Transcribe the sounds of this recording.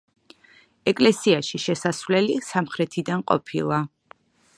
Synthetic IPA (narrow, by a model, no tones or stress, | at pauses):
ɛkʼlɛsiaʃiʃɛsasvlɛlisamχɾɛt̪ʰid̪anqʼɔ̰pʰilˠa